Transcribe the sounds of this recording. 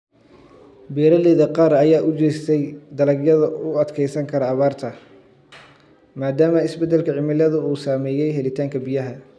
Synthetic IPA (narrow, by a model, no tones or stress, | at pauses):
bɛːɾɐlɛːðɐqɑːɾɐjaːʔʊt͡ʃɛːst̪ʰɛjd̪ɐlɐɡjɐðɐʊɐd̪kʰɛjsɐŋkʰɐɾɐːβaːrt̪ʰɐ | maːd̪aːmɐɪsbɛd̪ɛlkʰɐʕɪmɪlɐðʊuːsaːmɛːjɛjɦɛlɪt̪ʰaːŋkʰɐbɪjɐɦɐ